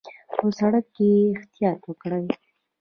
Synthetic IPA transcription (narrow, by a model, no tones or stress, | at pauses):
posaɽakːeɪxt̪ijɑt̪wəkɽəj